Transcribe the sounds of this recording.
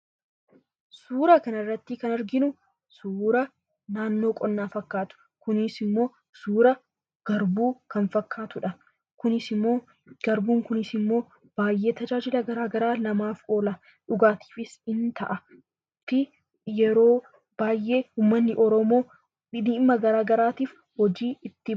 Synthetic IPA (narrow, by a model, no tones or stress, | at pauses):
suːɾɐkɐnɪrːɐt̪ːɪkɐnɐɾɡɪnʊ | suːɾɐ | naːnːo̞ːkʼɔnːaːfɐkːaːt̪ʊ̥ | kʊnɪsɪmːo̞ː | suːɾɐ | ɡ̥ɐɾbuːkɐnfɐkʰːaːt̪ʊᶑɐ | kʊnɪsɪmːo̞ː | ɡ̥ɐɾbuːŋkʊnɪsɪmːo̞ː | b̥aːjːe̞ːt̪ɐd͡ʒaːd͡ʒɪlɐɡɐɾaːɡɐɾaːnɐmaːfo̞ːlɐ | ᶑʊɡaːt̪ʰi̥ːfɪsɪnt̪ɐ̰ʔɐ | ɪ | t̪ːɪ | jɛɾo̞ː | b̥aːjʔe̞ːhuːmːɐnːɪʔɔɾɔmo̞ː | ɪd̪iːmːɐɡɐɾaːɡɐɾaːt̪iːf | hɔd͡ʒiːɪt̪ːɪ